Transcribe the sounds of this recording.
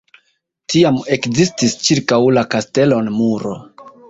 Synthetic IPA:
tiame̞kzistist͡ʃiɾkawlakaste̞lo̞nmuɾo̞̰

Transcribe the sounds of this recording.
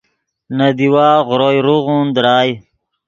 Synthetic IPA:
nad̪iwaːɣɾojɾuɣund̪ɾaːj

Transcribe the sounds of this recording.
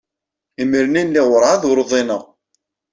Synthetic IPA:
iməɾninliʁəɾˤaðɾðˤinəʁ

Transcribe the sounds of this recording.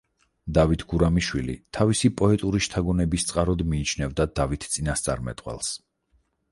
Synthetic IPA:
d̪avit̪ʰɡuɾamiʃwilḭt̪ʰavisipʼɔɛt̪ʼuɾiʃt̪ʰaɡɔnɛbist̪sʼqʼaɾɔd̪miːt͡ʃʰnɛvd̪ad̪avit̪ʰt̪sʼinast̪sʼa̰ɾmɛ̰t̪ʼqwɛ̰lˠs

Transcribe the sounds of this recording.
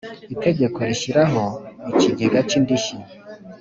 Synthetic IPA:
ite̞ɟe̞ko̞ɾiʃiɾaɦo̞it͡ʃiɡiɡat͡ʃindiʃi

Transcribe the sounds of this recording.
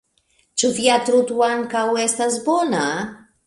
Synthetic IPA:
t͡ʃufjat̪ɾut̪uwankawest̪asbona

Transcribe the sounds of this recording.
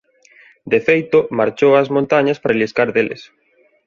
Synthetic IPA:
d̪efejt̪ʊmaɾt͡ʃowɐzmõnt̪aɲɐspaɾaliskaɾðelḛs

